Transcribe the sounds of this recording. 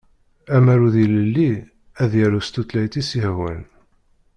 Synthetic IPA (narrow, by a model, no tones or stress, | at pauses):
æmæɾuðiləlːi | æðjæɾust̪ut̪læjt̪isihwæ̰l